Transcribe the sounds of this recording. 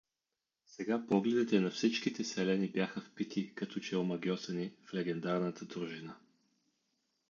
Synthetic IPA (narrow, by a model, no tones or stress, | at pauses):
sɛɡapɔɡlɛd̪ɛt̪ɛnɐfsit͡ʃkit̪ɛsɛlɛnibʲjaxəfpit̪ʰikɐt̪ʰɔt͡ʃɛomɐɡʲjɔsɛniflɛɡɛnd̪aɾnət̪əd̪ɾuʒinə